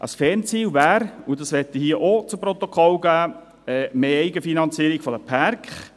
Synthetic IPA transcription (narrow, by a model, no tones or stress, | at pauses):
ʔə̰sfɛnt͡siːwvæːɾudɑsʋɛt̪ːəhiːəʔot͡sʊmpɾɔt̪okʰχɔlɡ̥æː | ɛmeːɛɪɡəfinɑnt͡siːəɾikfɔdəpʰæɾkχ